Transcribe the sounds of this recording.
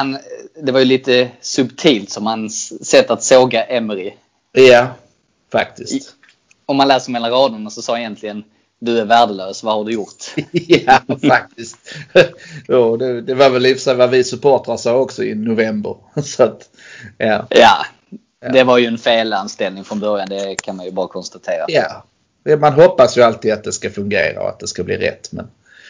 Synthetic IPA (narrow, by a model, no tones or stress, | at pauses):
hand̪ɛvaɾjɵliːt̪əsɵbt̪ʰiːlt̪sɔmhansɛt̪ːat̪soːɡaʔɛməɾɪ | ja | fa̰kt̪ɪst̪ | ɔmːanlɛːsəɾɔmɛːlːaɾɑːd̪ʊnasɔsɑːɪjɛnt̪ʰlɪɡən | d̪ɵæɾvæːɖəløːsvahaɖɵjʊɾt̪aak̚t̪ɪst̪ | juːd̪ɛd̪ɛvaɾvɛlɪfsɛvavɪsɵpʰoːʈ̪asɑːɔksɔɪ̰nʊvɛmbə̰ɾ | sɔat̪ | jaːja̰ː | d̪ɛvaɾjɵɛnfeːlanst̪ɛlnɪŋfɾɔnbœɾjand̪ɛkʰanmanjɵbɑːɾakʰɔnst̪at̪ʰeːɾa̰jaː | manɦɔpːasjɵalt̪iːd̪at̪̚d̪ɛskafɵŋɡḛːɾa̰ɔ̰a̰t̪̚d̪ɛskablḭːɾɛ̰t̪ːmɛ̰n